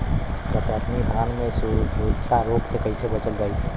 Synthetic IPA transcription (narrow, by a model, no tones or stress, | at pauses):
p̪ɔpɾat̪ʰmikb̪ʱɾanmesuud͡ʒsaɾoɡsẽkəjsʰebət͡ʃəld͡ʒajt̪ʰ